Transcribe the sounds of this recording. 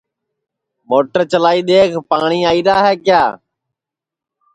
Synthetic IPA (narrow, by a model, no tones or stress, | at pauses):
moːʈəɾt͡ʃəlaːiːɗ̪eːkʰpaːɳiːaːiːɾaːɦeːkjaː